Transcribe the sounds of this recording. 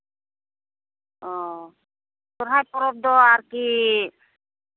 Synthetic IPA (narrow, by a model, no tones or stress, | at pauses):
ɔ | t̪ɔɾɦajpɔɾɔb̚d̪ɔaɾki